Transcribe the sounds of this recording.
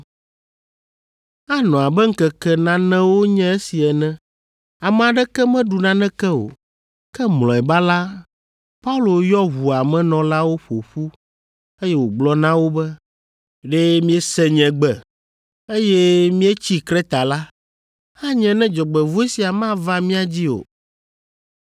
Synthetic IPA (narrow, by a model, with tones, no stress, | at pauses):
a˦nɔ̃˨a˨bɛ˦ŋ̩˦kɛ˨kɛ˦nã˦nɛ̃˦wo˦ɲɛ̃˦e˦si˨ɛ˨nɛ̃˦ | a˨mɛ̃˨a˨ɖɛ˦kɛ˦mɛ̃˦ɖu˨nã˦nɛ̃˦kɛ˦o̰˨ | kɛ˦mlɔ̃˨ɛ˨ba˦la˦ | pa˦u˦lo˨jɔ˦ɦu˨a˨mɛ̃˦nɔ̃˨la˦wo˦ɸo˨ɸu˦ | e˦jɛ˦wo˨ɡ͡blɔ˦nã˦wo˦bɛ˦ | ɖe˦mĩ˦ɛ˦sɛ˦ɲɛ̃˨ɡ͡bɛ˨ | e˦jɛ˦mĩ˦ɛ˦t͡ɕi˦kɾɛ˦t̪a˨la˦ | ha˦ɲɛ̃˨nɛ̃˦d͡ʒɔ˨ɡ͡bɛ˨vu˦ɛ˦si˨a˨mã˦va˦mĩ˦a˨d͡ʑi˦o̰˨